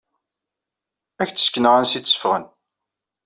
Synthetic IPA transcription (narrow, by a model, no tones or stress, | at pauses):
æçt͡sːə̥sknəʁænsisə̥fʁə̰n